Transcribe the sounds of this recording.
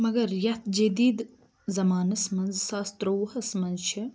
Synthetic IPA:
mɐɡɐɾjɐt̪ʰd͡ʒɐd̪iːd̪ | zɐmaːnɐsmɐnzsaːst̪ɾowhɐsmɐnzt͡ʃʰi

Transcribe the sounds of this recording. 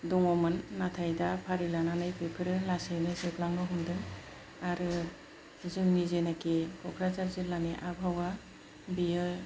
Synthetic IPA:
duŋɔmɯnːatʰajdapʰaɾilananajkʰɯjpʰɯɾɯlasejnɯzɯplaŋɡɯɦumdɯŋ | aɾɯ | zɯmnizenakekʰɔkʰɾazaɾziɾlaniʔabʱawa | bijɯ

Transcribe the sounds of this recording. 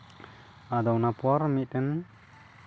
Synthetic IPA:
ad̪ɔwnapuaɾmit̚ən

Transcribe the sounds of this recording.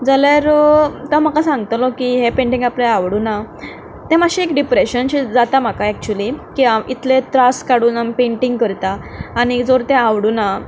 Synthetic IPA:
d͡zaljaɾt̪am̤akãsãŋɡt̪lɔkiɦepẽɳʈiŋɡapleaʋɽuːna | t̪ẽmaɕiekɖipɾeɕənɕid͡zat̪am̤akaɛk̚t͡ɕulikiamit̪ʰlet̪ɾaskaɽuːnampeɳʈiŋɡkəɾt̪aːñid͡zoɾt̪ɛ̃aʋɽuna

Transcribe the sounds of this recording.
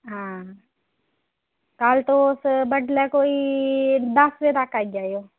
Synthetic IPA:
ɦãː | kaːlt̪osbəʈlɛkoːi | d̪əsʋet̪akaːid͡ʒaːjoː

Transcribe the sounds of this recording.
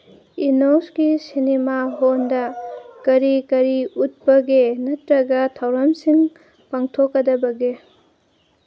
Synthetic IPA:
inosɡisinemaɦondɐkɐɾikɐɾiut̚bɐɡenɐtɾɐɡɐtʰawɾɐmsiŋ | paŋtʰokːɐdɐbɐɡe

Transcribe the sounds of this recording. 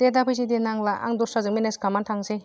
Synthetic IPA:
t̪edapʰɯjs̬idenaŋlaʔa̰ŋd̪ɔsazɯŋminesɡamantʰaŋse

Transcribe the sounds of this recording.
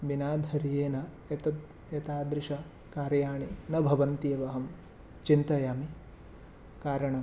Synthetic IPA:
binaːd̪ʱɐɾijeːnɐ | et̪ɐt̪ | et̪aːd̪ɾɪʃɐ | kaːɾjaːɳinɐbʱɐʋɐnt̪iːʋɐɦɐm | t͡ʃint̪ɐjaːmi | kaːɾɐɳɐ

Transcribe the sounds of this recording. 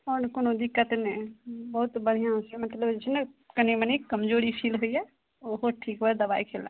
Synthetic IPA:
ɔːɾkoːnod̪ɪkːət̪nẽbəɦut̪bəɽ̤ijãsemət̪ləbd͡ʒet͡ʃʰnekənibənikəmd͡ʒoɾipʰilɦoiɛ | oɦoʈʰiːkɦoɛd̪əbaːikʰelã̰

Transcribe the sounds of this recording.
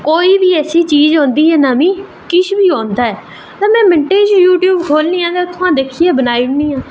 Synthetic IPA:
koːiːbiːɛːsiːt͡ʃiːzɦõːnd̪iːɦɛːnaːmĩː | kɪʃʰbiːɦõːnd̪aːɛː | t̪ãːmɛ̃ːmɪɳʈeːd͡ʒjuːʈjuːbkʰoːlnĩːãːt̪eːt̪ʰoãːd̪eːkʰiːɛːbənaːiʊɳniːãː

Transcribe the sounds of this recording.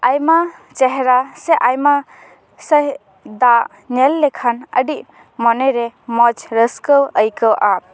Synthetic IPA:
ajmat͡ʃɛɦɛɾasɛʔajma | səj | d̪aʔ | nɛlːɛkʰanə̰ɖiʔ | mɔnɛɾɛmɔd͡ʒɾəskəwəjkəwʔa

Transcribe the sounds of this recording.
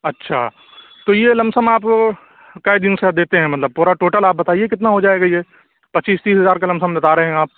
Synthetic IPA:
ɐtːʃʰa̰ː | t̪oːjelɐ̃msəmaːp | kajd̪ɪnsed̪eːt̪eɦɛ̃mɐt̪ləb̚puːɾaʈoːʈəlaːp̚bɐt̪aːiekɪt̪naɦod͡ʒaːeːɡaje | pɐt͡ʃiːst̪iːsɦɐzaːɾkalɐ̃msəmd̪ɪt̪aːɾeɦɛ̃aːp̚

